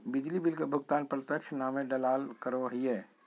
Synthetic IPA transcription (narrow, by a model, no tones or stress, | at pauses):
bɪd͡ʒlibɪlkebʱʊɡt̪aːnpɾət̪jəkʃʰnaːmẽɖəlaːlkəɾoɦiɦɛː